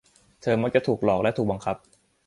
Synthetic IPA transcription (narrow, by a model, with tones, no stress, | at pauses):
t̪ʰɤː˧ma˦˥k̚t͡ɕa˨˩t̪ʰuː˨˩k̚lɔː˨˩k̚lɛ˦˥t̪ʰuː˨˩ɓaː˧ŋkʰa˦˥p̚